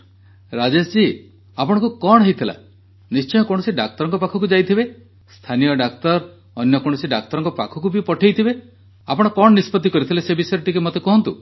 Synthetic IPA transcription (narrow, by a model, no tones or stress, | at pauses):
ɾad͡ʒesd͡ʒi | apɔɽɔ̃ŋkukɔɽ̃ɔɦejt̪ʰila̰ | nist͡ʃɔjɔkɔɽ̃ɔsiɖak̚t̪ɔɾɔŋkɔpakʰɔkud͡ʒajt̪ʰibe | st̪ʰanijɔɖakt̪ɔɾ | ɔnjɔkɔɽ̃ɔsiɖak̚t̪ɔɾɔŋkɔpakʰɔkubipɔʈʰejt̪ʰibe | apɔɽ̃ɔkɔɳɔnispɔt̪ikɔɾit̪ʰilesebisɔjɾɔʈikemɔt̪ekɔɦɔnt̪u